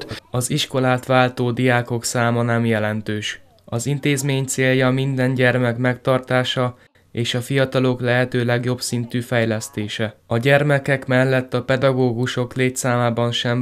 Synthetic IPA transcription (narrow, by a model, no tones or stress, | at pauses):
ɒziʃko̞laːt̪ʋaːlt̪oːd̪ijaːko̞ksaːmɒnɛmjɛlɛnt̪øːʃ | ɒzint̪eːzmeːɲt̪seːljɒmind̪ɛnɟɛrmɛkmɛkt̪ɒrt̪aːʃɒ | eːʃɒfijɒt̪ɒlo̞klɛɦɛt̪øːlɛɡjo̞bsint̪yːfɛjlɛst̪eːʃɛɒɟɛrmɛkɛkmɛlːɛt̪ːɒpɛd̪ɒɡoːɡuʃo̞kleːt̪saːmaːbɒnʃɛm